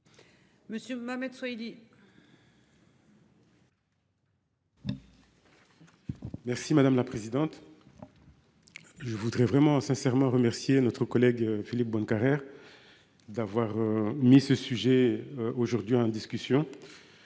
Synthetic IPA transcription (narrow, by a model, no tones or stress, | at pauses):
məsjømamɛd̪swaili | mɛʁsimad̪amlapχezid̪ɑ̃t̪ | ʒəvud̪ʁɛvʁɛmɑ̃sɛ̃sɛʁmɑ̃ʁəmɛʁsjenɔt̪χəkɔlɛɡfilip̚bɔ̃nkaʁɛʁ | d̪avwaʁømisəsyʒɛoʒuʁd̪ɥiɑ̃d̪iskʲysjɔ̃